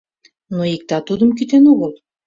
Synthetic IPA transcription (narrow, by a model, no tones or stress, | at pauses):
noik̚t̪ɑt̪ud̪əmk̬it̪enoɣəlˠ